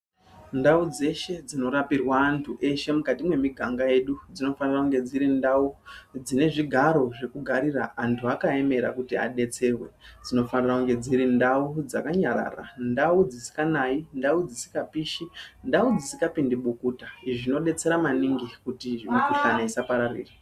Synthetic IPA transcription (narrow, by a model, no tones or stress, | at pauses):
ndaud͡ze̞ʃe̞d͡zino̞ɾapirwaːntʰuʔe̞ʃe̞mukatimwe̞miɡʱaŋɡaje̞ɗud͡zino̞fanirakuŋɡe̞d͡ziɾindaud͡zine̞ʐiɡʱaɾo̞ʐe̞kuɡʱaɾiraːntʰuakae̞me̞ɾa̰kutia̰ɗe̞t͡se̞rwe̞d͡zino̞fanirakuŋɡe̞d͡ziɾindaud͡za̰kaɲaɾa̰ra̰ndaud͡zisi̥kanaindaud͡zisi̥kapiʃindaud͡zisikapindiɓukutaiʐino̞ɗe̞t͡se̞ɾamaniŋɡikutiʐimokuɬanaisapaɾarḭːra